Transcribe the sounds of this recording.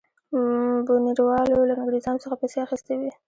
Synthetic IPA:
buniɾwɑlolanaɡɾizɑnosəxapajseaxist̪ewi

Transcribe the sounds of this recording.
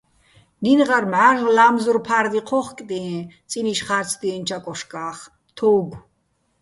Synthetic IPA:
ninʁaɾmʕaɬlaːmzurpʰaɾd̪iqʰɔχkʼd̪iɛ̃ | t͡sʼiniʃχaɾt͡sʰd̪iːnt͡ʃʰakʼɔʃkʼaːχ | t̪ʰɔːɡʷ

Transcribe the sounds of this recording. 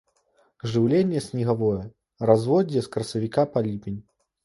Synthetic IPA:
ʐɨwlʲenʲːɛsʲnʲiɣavɔjɛ | razvɔd͡zʲjɛskɾɐsɐvʲikapalʲipʲinʲ

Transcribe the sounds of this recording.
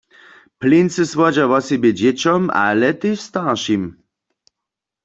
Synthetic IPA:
plinsɨswɔd͡ʑaʋɔsibjɛd͡ʑɛt͡ɕɔma̰lɛt̪ɪst̪aʁʃim

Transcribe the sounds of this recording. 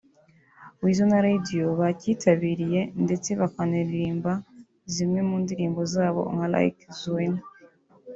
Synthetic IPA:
wiːzonaɾadioβacitʰaβiːɾije̞nde̞t͡se̞βakaniɾiɾiːmba | zimŋe̞muːndiɾiːmbo̞zaːβo̞̰ŋala̰ḭkzuwen

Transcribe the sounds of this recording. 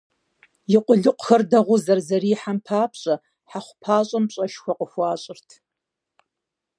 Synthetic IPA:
jɪqʷʼʊɮɨqʷʊxɐrdɐʁʷʊzɐrzɐriːħampʰaːpʰɕʼɐ | ħaχʷpʰaːɕʼɐmpɕʼɐʃxʷɐqʼəxʷɑːɕʼɪrtʰ

